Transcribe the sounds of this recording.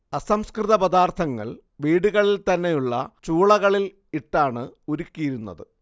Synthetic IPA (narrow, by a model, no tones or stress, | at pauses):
ɐsɐmskrɨðɐpɐd̪aːrt̪ʰɐŋːɐ̰ɭ | ʋiːɽuɣɐɭilt̪ɐnːe̞juɭːɐ̰t͡ɕuːɭɐɣɐɭil | iʈːaːɳɨuɾukʲːijiɾunːɐ̰ðɨ